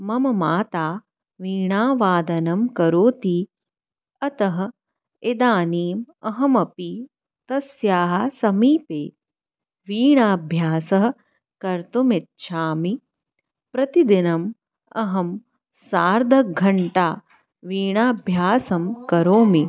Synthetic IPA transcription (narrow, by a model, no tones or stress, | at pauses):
mɐmɐmaːt̪aː | ʋiːɳaːʋaːd̪ɐnɐmkɐɾoːt̪iː | ɐt̪ɐɦɐ̆ | ed̪aːniːmɐɦɐmɐpi | t̪ɐsjaːɦɐsɐmiːpeː | ʋiːɳaːbʱjaːsɐɦɐ̆ | kɐɾt̪umit̪ʃʰaːmi | pɾɐt̪id̪inɐm | ɐɦɐm | saːɾd̪ʱɐɡʱɐɳʈaː | ʋiːɳaːbʱjaːsɐmkɐɾoːmi